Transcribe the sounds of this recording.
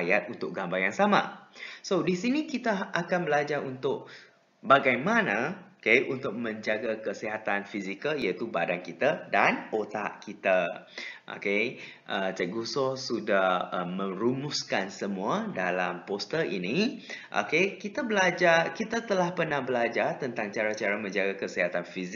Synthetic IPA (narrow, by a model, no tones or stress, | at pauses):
ajat̪̚unt̪ʊk̚ɡambarjaŋsamã̰sodisinikit̪aʔakanbəlad͡ʒarunt̪ʊk̚ | baɡajmanaokejʔunt̪ʊk̚mə̃ɲd͡ʒaɡakəsiɦat̪anfizikəljat̪ubadankit̪adanot̪a̰ʔkit̪a | ʔo̰keʔət͡ʃəɡusɔsudahəmə̃ɾumʊskansəmuadalampost̪əʔḭniʔo̰kekit̪abəlad͡ʒarkit̪at̪əlahpərnahbəlad͡ʒart̪ənt̪aŋt͡ʃaɾat͡ʃaɾamə̃ɲd͡ʒaɡakəsiɦat̪anfiz